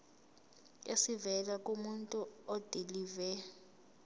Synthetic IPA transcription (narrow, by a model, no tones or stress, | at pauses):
esivɛlak̬ʼumuntʼuɔd̥ʱilivɛ